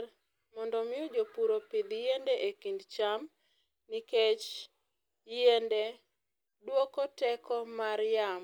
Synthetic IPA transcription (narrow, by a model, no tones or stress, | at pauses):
mɔndɔmɪɔd͡ʒopuɾopid̪jendeʔekindt͡ʃam | niket͡ʃ | jende | dwokɔtɛkɔmaɾjam